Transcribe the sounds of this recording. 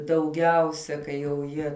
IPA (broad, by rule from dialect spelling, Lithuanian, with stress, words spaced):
dɐʊˈɡʲɛʊsʲɛ kɐɪ jɛʊ ˈjiɛ